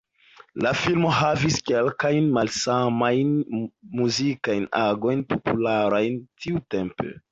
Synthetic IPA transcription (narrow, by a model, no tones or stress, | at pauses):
lafilmo̞ɦaviskelkajnmalsamajnmuzikajnaɡo̞jnpo̞pulaɾajntʰiute̞mpḛ